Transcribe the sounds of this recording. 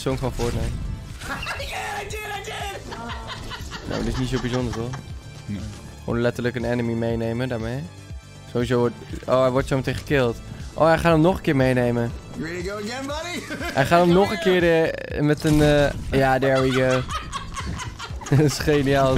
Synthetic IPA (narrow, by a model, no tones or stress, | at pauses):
sonkɔnfʊːɹtnɛm | no̰wdɪsnitsoːbizʊndəɹʋolˠ | o̰ːnlɛtəɹləkənɛnəmimejnejmədaːɹmej | soʋizoo̰ːɛjʋɔɹtsomətẽnχəkɪlˠtʔo̰ːɛjχaːtomnɔχənkɪːɹmejnejməɹɪliɡoʊəɡɛnbɑɾihɛjχaːtɔmnɔχə̃nkɪːɹəmɛtənjaːdɛɹiɡə | sχenia